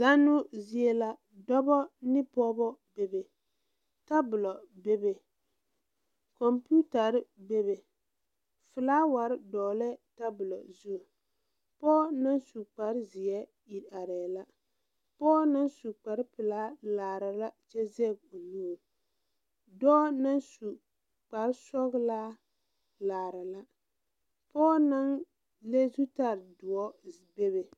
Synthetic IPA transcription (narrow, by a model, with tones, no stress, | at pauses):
za˦nʊ˦zi˦ɛ˦la˦ | dɔ˦bɔ˦nɪ˦pɔ˦bɔ˦be˨be˨ | ta˦bʊ˨lɔ˨be˦be˨ | kɔ˨mpu˦ta˨ɾɪ˦be˦be˨ | fɨ˨laː˦wa˨ɾɪ˦dɔː˨lɛ˦ta˦bʊ˨lɔ̰˨zu˦˨ | pɔː˦na˦nsu˨k͡pa˨ɾɪ˦zɪ˨ɛ˦ | i˨ɾa˨ɾɛː˨la˦ | pɔː˦na˦nsu˨k͡pa˨ɾpɨ˨laː˦laː˨ɾa˨la˦d͡ʒe˦zɛ˦˨ɡ̚o˨nu˦˨ | dɔː˦na˦nsu˨ | k͡pa˨ɾsɔ˦ɣlaː˦ | laː˨ɾa˨la˦ | pɔː˦na˦ŋ | le˦zu˦ta˦ɾdʊ˨ɔ˦ | be˦be˨